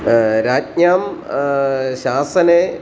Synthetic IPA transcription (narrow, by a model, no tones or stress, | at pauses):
ɾaːt̚ɲaːm | ɕaːsɐne